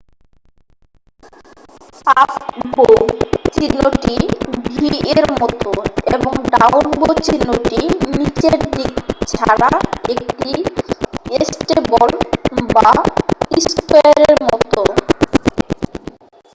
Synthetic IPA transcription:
akbot͡ɕinoʈibʱieɾmɔt̪oeboŋɖawnbot͡ɕinoʈiinit͡ɕeɾd̪ikt͡ɕʰaɽaek̚ʈi | esʈebolbaispaɾeɾmɔt̪o

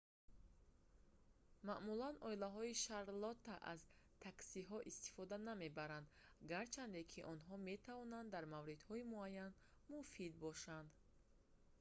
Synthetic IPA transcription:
maʔmulanɔilaɦɔiʃaɾlɔt̪ːaʔa̰zt̪ʰaksiɦɔʔist̪i̥fɔd̪aname̞baɾand̪ɡaɾt͡ʃʰand̪e̞kʰiʔɔnɦɔme̞t̪ʰavɔnand̪ːaɾmavɾid̪hɔimuajːan | mufid̪̚bɔʃand̪

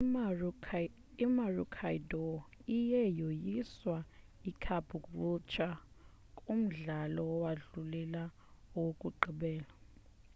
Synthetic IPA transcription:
imarukʰaidɔijɛjojiswa | ikʰab̥ʱukʼrut͡ʃʰa | kʼum̩ɮalɔɔwaɮulɛla | ɔwokʼuǃʱiɓɛːla

